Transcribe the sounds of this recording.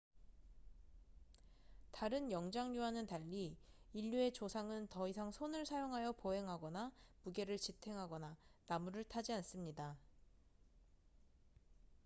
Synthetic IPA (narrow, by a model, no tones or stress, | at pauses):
taɾɯnjʌŋd͡ʑaŋɲuanɯntaʎːiːʎːue̞t͡ɕosʰaŋɯntʌisʰaŋsʰonɯɭsʰajoŋɦajʌpoɦe̞ŋɦaɡʌnamuɡe̞ɾɯɭt͡ɕitʰe̞ŋɦaɡʌnanamuɾɯɭtʰad͡ʑians͈ɯmɲida